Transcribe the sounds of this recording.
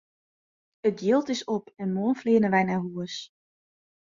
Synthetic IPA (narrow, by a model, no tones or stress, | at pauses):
ətdjɪlˠtɪsɔpɛnmonfleːnənʋɛjnaːɦuəs